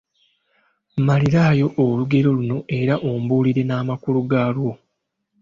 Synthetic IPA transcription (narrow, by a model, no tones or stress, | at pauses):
maliɾaːjo̞ʔːluɡe̞ɾo̞luno̞e̞ɾaʔombuːliɾe̞naːmakuluɡaːlwo̞